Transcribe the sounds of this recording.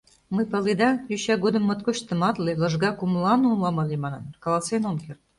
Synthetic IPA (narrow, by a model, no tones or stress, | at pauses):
mɤjpɑlid̪ɑjyɕɑɡod̪ə̆mːɤ̆t̪koɕt̪ə̆mɑt̪lelɤ̆ʒɡɑkumlˠɑnulɑmɑlʲemɑnɑnkɑlˠɑsenomkert̪̚